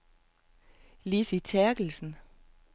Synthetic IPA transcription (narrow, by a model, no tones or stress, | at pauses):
lisit͡sʰæɐɡ̥l̩sn̩